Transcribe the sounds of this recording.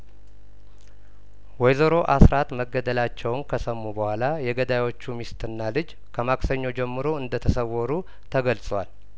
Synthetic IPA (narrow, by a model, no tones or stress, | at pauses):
wɔjzəɾo̞ʔasɾat̪məɡːəd̪əlat͡ʃːɛwnkʰəsəmːubəhʷalajɛɡəd̪ajwot͡ʃːumist̪ʰɨnːalɨd͡ʒ | kʰəmaksəɲːo̞d͡ʒɛmːɨɾo̞ɨnd̪ət̪ʰəsəwːɔɾu | t̪ʰəɡəlsʼwal